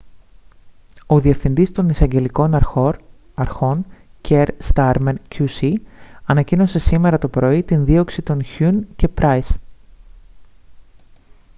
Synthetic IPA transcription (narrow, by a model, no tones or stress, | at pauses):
o̞ðie̞fθind̪ist̪o̞nisɐɲɟe̞liko̞nɐɾo | ɐɾxo̞ncʰeɾst̪ɐɾmencusiɐnɐcino̞se̞sime̞ɾɐt̪o̞pɾo̞it̪inðio̞ksit̪o̞nçunce̞pɾɐjs